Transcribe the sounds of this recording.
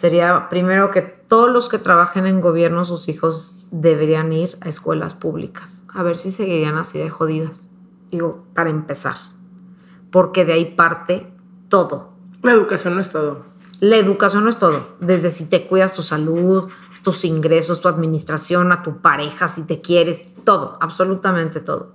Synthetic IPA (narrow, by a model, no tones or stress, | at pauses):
se̞ɾiapɾime̞ɾo̞ke̞t̪o̞ðozlo̞ske̞t̪ɾaβaxe̞ne̞ŋɡo̞βje̞ɾnoas̬usixo̞z | ðe̞βe̞ɾianiɾa̰eskwe̞̰la̰spuβlḭkḁsaβe̞ɾsise̞ɣiɾianasiðexo̞ð̞iðas | d̪iɣo̞paɾaempe̞sa̰ɾ | po̞ɾke̞ðeaipaɾt̪e̞ | t̪o̞ðo̞ | laeðukasjonːoest̪oðo | lae̞ðukasjo̞nːoe̞st̪o̞ðo̞̰ðe̞zðe̞sit̪e̞kwiðast̪usaluð | t̪usiŋɡɾe̞so̞st̪uaðmĩnist̪ɾasjo̞nat̪upaɾe̞xasit̪e̞kje̞ɾe̞s | t̪o̞ðo̞̰aβso̞lut̪amẽnt̪et̪o̞̰ðo̰